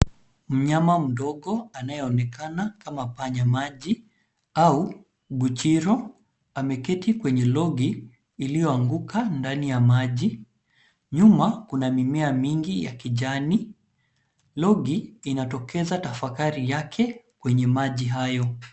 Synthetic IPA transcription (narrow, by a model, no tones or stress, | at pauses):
m̩ɲamam̩ɗɔɠɔanajɛɔnɛkanakamapaɲamaʄi | au | ɓut͡ʃiɾɔ | amɛkɛtikwɛɲɛlɔɡiː | lijɔaŋɡukʰandanijamaʄi | ɲumakunamimɛamiŋɡija̰kiʄani | lɔɡiːnatɔkʰɛzatafakaɾijakʰɛkwɛɲɛmaʄiɦajɔ